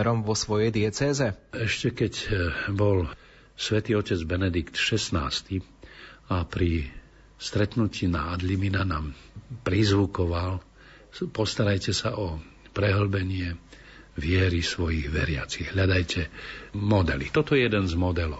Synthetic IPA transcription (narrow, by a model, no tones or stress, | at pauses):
ɛɾɔmʋɔsʋɔjɛjd̪ɪɛt͡sɛːzɛɛʃcɛkɛcbɔl | sʋɛt̪iːɔcɛd͡zbɛnɛd̪ikt̪ʃɛsna̰ːst̪i | apɾi | st̪ɾɛt̪nuciːna̰ːd̪liminanaːm | pɾizʋukɔʋal | pɔst̪aɾajcɛsaʔɔ | pɾɛɦl̩bɛɲɪɛ | ʋɪɛɾisʋɔjiɣʋɛ̰ɾɪa̰t͡siɣɦʎad̪ajcʰɛmɔd̪ɛlḭt̪ɔt̪ɔjɛjɛd̪ɛnzmɔd̪ɛlɔʊ